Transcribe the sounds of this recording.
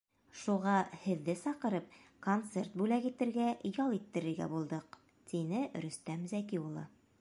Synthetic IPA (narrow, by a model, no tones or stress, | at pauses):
ʃuʁɑhɘ̆ðːɘsɑqɤ̆ɾɤp̚kont̪sert̪̚bʉlækit̪ɘ̆ɾɡæjɒlˠit̪ːɘ̆ɾɘ̆ɾɡæ̰bulˠd̪ɤq | t̪inɘɾɵ̆st̪æmzækiulˠɤ̰